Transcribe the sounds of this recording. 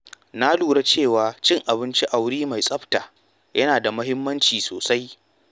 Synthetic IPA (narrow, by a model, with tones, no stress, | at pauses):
na˦luː˨ɽa˦t͡ʃeː˦˨waː˨t͡ʃɪ˦ŋʔa˨bɪ˦nt͡ʃi˦ʔa˨wɽiː˦ma˨jsʼɐ˦ɸtaː˨ | jɐ˦naː˨da˨mɐ˦ɦɪ˦mːɐ˦nt͡ʃiː˨so̰ː˨sa˦j